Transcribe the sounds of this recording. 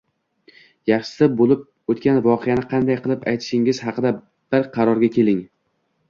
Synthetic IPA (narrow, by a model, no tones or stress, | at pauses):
jɑχʃɪ̥sɪbolɪp̚ | ot̪kʲanvɒqʰejanɪqʰɑnd̪ajqʰɨlˠɪpajt̪ʰɪ̥ʃɪŋɪz̥hɑqɨd̪a | b̥ɪɾqʰɑɾɒɾɡʲakʲʰe̞lɪŋ